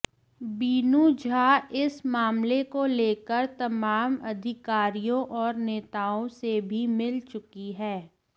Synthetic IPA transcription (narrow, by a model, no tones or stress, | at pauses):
biːnud͡ʒʱaːɪsmaːmlekoleːkəɾt̪ɐmaːmɐd̪ʱɪkaːɾijõʔɔːɾneːt̪aːõsebʱimɪlt͡ʃʊkiɦɛː